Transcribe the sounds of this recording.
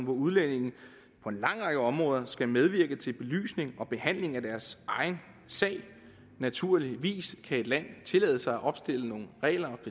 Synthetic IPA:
nʋɒuðˠlene̝ŋn̩ | pʰɒ̽e̝nlɑ̈ŋ̰ʁɑ̈ɡ̥əɒ̽mʁɔ̽ːðˠɐsɡ̥æmeð̞ˠʋiɐɡ̥ət͡sʰe̝lb̥e̝ly̰ːsne̝ŋɒ̽b̥e̝hæn̰le̝ŋæd̥æɐsʔɑ̈ɪn̩ | sɛ̰ɪ̰ | næt͡sʰuɐ̰liʋḭːskʰæe̝d̥læn̰t͡sʰe̝lɛːð̞ˠəsɑ̈ɪæʔɒ̽b̥sd̥e̝ləno̝ːn̩ʁɛ̰ːlɐɒ̽pʰ

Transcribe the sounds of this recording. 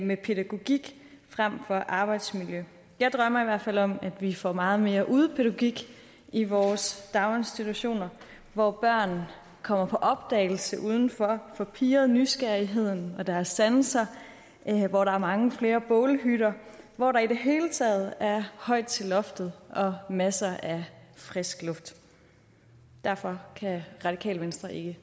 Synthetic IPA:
mepʰe̝ɾæɡ̥o̝ɡ̥iɡ̥ | fʁam̰fɒ̽ʔɑ̈ːb̥ɑ̈ɪd̥smiljø | jɑ̈ɪd̥ʁɶm̰ɐiʋæɐ̰fæl̰ɒ̽mæd̥ʋifɒ̰mɑ̈ːð̞̩ˠme̝ːɐʔuð̞ˠpʰe̝ɾæɡ̥o̝ɡ̥iɡ̥ | iʋɒːsd̥ɑ̈ʊe̝nsd̥it͡sʰuɕo̝̰ːnɐ | ʋɒb̥ɶɐ̰n̩ | kʰɒ̽m̰ɐpʰɒ̽ʔɒ̽b̥d̥ɛ̰ːɪl̩səʔuːð̞ˠn̩fɒfɒ̽pʰiːɐð̩ˠnysɡ̥æɐiɦe̝ð̞̰ˠn̩ɒ̽d̥æɐɐsːænsɐ | ʋɒɾɑ̈æɐmɑ̈ŋəfle̝ːɐb̥ɔ̽ːlɦyɾɐʋɒɾɑ̈iɾe̝ɦe̝ːlət͡sʰɛ̰ːð̞̩ˠæɐhɒ̽ɪ̰d̥̚t͡sʰe̝lɒ̽fd̥ð̞̩ˠʔɒ̽mæsɐʔæfʁɛsɡ̥lɔ̽fd̥ | d̥æɐfɒ̽kʰæʁɑ̈d̥ikʰɛ̰ːlʋensd̥ʁɐʔe̝ɡ̥ə

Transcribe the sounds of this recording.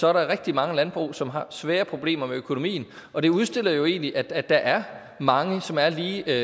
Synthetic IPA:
sɒ̽æɐɾɑʁɛɡ̥d̥imɑ̈ŋəlænb̥ʁṵːsɒ̽mɦɑ̈sʋɛːɐpʰʁo̝b̥le̝̰ːmɐmeøkʰo̝no̝mḭːn̩ | ɒ̽d̥e̝uð̞ˠsd̥e̝l̰ɐjo̝e̝̰ːnliʔæ̥æd̥ɑ̈ʔæɐ | mɑ̈ŋəsɒ̽mæɐliː

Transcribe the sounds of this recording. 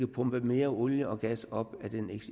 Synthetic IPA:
ɡ̥əpʰɔ̽mb̥əme̝ːɐoljəɒ̽ɡ̥æsɒ̽b̥æd̥eneɡ̥s

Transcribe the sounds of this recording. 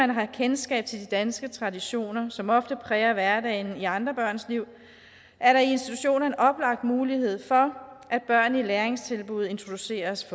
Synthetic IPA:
ænɦɑ̈kʰensɡ̥ɛ̰ːb̥̚t͡sʰe̝ld̥id̥ænsɡ̥ət͡sʰʁɑ̈diɕo̝̰ːnɐsɒ̽mɒ̽fd̥əpʰʁɛːɐʋæɐdɛɪniɑ̈nd̥ʁɐb̥ɶɐ̰nsliʊ̰ | ʔæɐɾɑ̈ie̝nsd̥it͡sʰuɕo̝̰ːnɐe̝nʔɒ̽b̥lɑ̈ɡ̥̚d̥muːlihe̝ð̞̰ˠfɒ̽ʔæd̥̚b̥ɶɐ̰nəileɐeŋst͡sʰe̝lb̥uð̞̩ˠe̝nt͡sʰʁo̝d̥use̝̰ːɐsf

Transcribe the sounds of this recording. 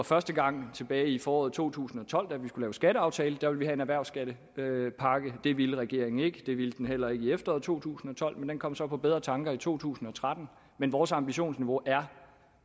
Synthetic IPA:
ɑfɶɐsd̥əɡ̥ɑ̈ŋ̰t͡sʰe̝b̥ɛːɪifɒːɒːð̩ˠt͡sʰo̝̰ːt͡sʰṵːsn̩ɒ̽t͡sʰɒ̽l̰d̥æʋisɡ̥ulɛːʊsɡ̥æɾəɑ̈ʊt͡sʰɛːləd̥æɐʋe̝lʋiɦæe̝næʋæɐ̰sɡ̥æd̥ə | øpʰɑ̈ɡ̥əd̥e̝ʋiləʁɛɡ̥e̝̰ɐ̰e̝ŋ̩e̝ɡ̥əd̥e̝ʋild̥enɦel̰ɐe̝ɡ̥iefd̥ɐɒ̰ːðˠt͡sʰo̝̰ːt͡sʰṵːsn̩ɒ̽t͡sʰɒ̽l̰mend̥enkʰɒ̽m̰sɒ̽pʰɒ̽b̥eð̞ˠʁɐt͡sʰɑ̈ŋɡ̥ɐit͡sʰo̝̰ːt͡sʰṵːsn̩ɒ̽t͡sʰʁad̥n̩ | menʋɒːsɑ̈mb̥iɕo̝̰ːnsniʋo̝ʔæɐ

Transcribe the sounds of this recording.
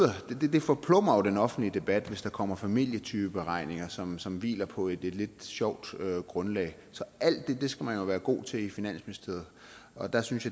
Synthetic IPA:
ɐd̥d̥ed̥e̝fɒ̽pʰlɔmɐjod̥enɒ̽fn̩dlid̥e̝b̥æd̥ʋe̝sd̥ɑ̈kʰɒ̽m̰ɐfæmil̰jət͡sʰyːb̥əb̥e̝ʁɑ̈ɪ̰ne̝ŋɐsɒ̽msɒ̽mʋḭːlɐpʰɒ̽e̝d̥e̝d̥le̝d̥ɕɒʊ̰d̥øɡ̥ʁɔ̽nlɛ̰ːɪ | sɒ̽æl̰d̥ːe̝d̥e̝sɡ̥æmænjo̝ʋæːɐɡ̥o̝̰ːt͡sʰe̝lifinæn̰smenisd̥ie̝ð̩ˠɒ̽d̥ɑ̈synsjɑ

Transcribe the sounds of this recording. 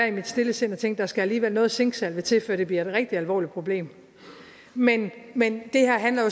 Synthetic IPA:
æɐimid̥sd̥e̝ləse̝nɒt͡sʰeŋ̰ɡ̥d̥ɑ̈sɡ̥ææliːʋelnɔ̽ːð̩ˠse̝ŋɡ̥sælʋe̝t͡sʰe̝lfø̰ɐ̰d̥e̝b̥liɐe̝d̥ʁɛɡ̥̚d̥iælʋɒ̰ːlid̥̚pʰʁo̝b̥le̝̰ːm | menmend̥e̝hæɐ̰ɦænlɐjo

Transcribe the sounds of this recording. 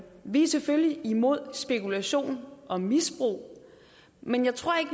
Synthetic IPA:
ʋiseføliimo̝ð̞̰ˠsb̥e̝kulæɕo̝̰ːnʔɒ̽misb̥ʁṵː | menjɑ̈ɪt͡sʰʁo̝ɐ̰e̝ɡ̥

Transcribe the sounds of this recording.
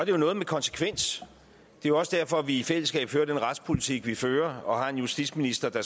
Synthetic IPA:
ɒd̥e̝jo̝nɔ̽ːð̞̩ˠmekʰɒ̽nse̥kʰʋen̰s | d̥e̝jo̝ɒ̽səd̥æɐfɒ̽ʋiifel̰əsɡ̥ɛ̰ːb̥føːɐd̥enʁɑ̈d̥spʰo̝lit͡sʰiɡ̥ʋiføːɐɒ̽hɑ̈e̝njusd̥idsminisd̥ɐd̥ɑ

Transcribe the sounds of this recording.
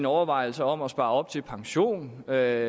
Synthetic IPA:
nɒʊɐʋɑ̈ɪ̰l̩səɒ̽mɒ̽sb̥ɑ̈ːɒ̽b̥̚t͡sʰe̝lpʰɑ̈ŋɕo̝̰ːnø

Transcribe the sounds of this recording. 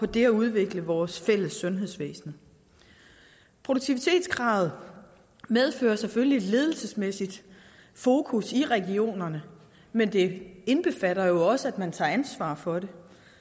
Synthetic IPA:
pʰɒ̽d̥e̝æuð̞ˠʋe̝ɡ̥ləʋɒːsfel̰əsːɔ̽nɦeðˠsʋḛːsn̩ | pʰʁoɾoɡ̚t͡sʰiʋit͡sʰe̝̰ːd̥sɡ̥ʁɑ̈ːð̞̩ˠ | með̞ˠfø̰ːɐsefølie̝d̥le̝ːð̞ˠl̩səsmesid̥ | fo̝ːkʰusiʁɛɡ̥io̝̰ːnɐnə | mend̥e̝e̝nb̥e̝fæɾɐjo̝ɒ̽səæd̥mænt͡sʰɑ̈ænsʋɑ̰̈ːfɒ̽de̝

